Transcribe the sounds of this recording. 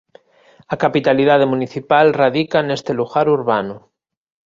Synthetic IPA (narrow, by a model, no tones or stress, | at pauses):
akapit̪aliðað̞emuniθipalrað̞ikanest̪eluɣaɾuɾβano